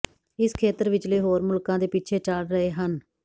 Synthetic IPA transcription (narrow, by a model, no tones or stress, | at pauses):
ɪskʰeːt̪əɾʋɪt͡ʃliːɦoːɾmʊlkãːd̪eːpiːt͡ʃʰeːt͡ʃəɽɾəɦeːɦən